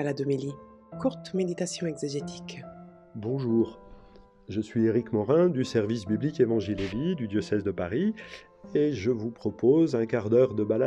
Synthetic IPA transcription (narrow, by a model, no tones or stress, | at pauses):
alad̪omili | kuʁt̪med̪it̪asjɔ̃eɡzeʒet̪ʰi̥k | bɔ̃ʒuːʁ | ʒəsɥieʁikmɔʁɛ̃d̪ysɛʁvisbiblikevɑ̃ʒilelid̪yd̪jɔsɛzd̪əpaʁi | eʒəvupχɔpʰozɛ̃kaʁd̪œʁd̪əbala